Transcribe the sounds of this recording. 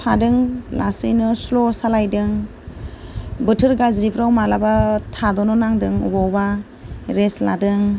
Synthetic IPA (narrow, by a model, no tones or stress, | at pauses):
tʰadɯŋlasɯjnɯslɔsalajdɯŋ | bɯtʰɯɾɡazɾipʰɾawmalabatʰadɔnɔnaŋdɯŋubɔwba | ɾesladɯŋ